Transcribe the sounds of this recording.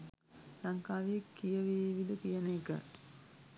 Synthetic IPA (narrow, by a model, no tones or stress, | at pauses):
laŋkaːʋijekːijəʋeːʋid̪əpijənəkə̰